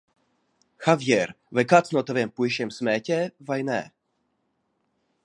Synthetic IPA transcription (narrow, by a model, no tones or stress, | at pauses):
xavjɛɾ | vɛkat͡snot̪ovɛmpujʃɛmsmɛːcɛvajnɛ̰ː